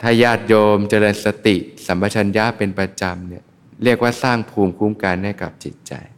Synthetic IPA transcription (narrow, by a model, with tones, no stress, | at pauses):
t̪ʰaː˥˩jaː˥˩t̪̚joː˧mt͡ɕa˧lɤː˧nsa˧t̪i˨˩ʔsa˩˦mba˧t͡ɕʰa˧nja˦˥pe˧npɾa˧t͡ɕa˧mni˥˩ɐ | ɾi˥˩ək̚waː˥˩saː˥˩ŋpʰuː˧mkʰuː˦˥˩mka˧nha˥˩jka̰˨˩p̚t͡ɕi˨˩t̪̚t͡ɕa̰˧j